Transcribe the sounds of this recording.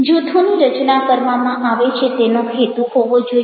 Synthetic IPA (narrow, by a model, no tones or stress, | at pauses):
d͡ʒut̪ʰuniɾət͡ʃnakəɾʋamãʔaʋet͡ʃʰet̪enokʰet̪uɦoʋod͡ʒo